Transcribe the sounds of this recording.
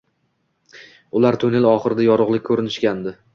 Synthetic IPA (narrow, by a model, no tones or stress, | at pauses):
ʊlaɾt̪ʰʊnelɒχɨɾɪd̪ajɒɾʊʁlˠɪk̚ʲkʰːɵɾɪnɪʃkʲand̪ɪ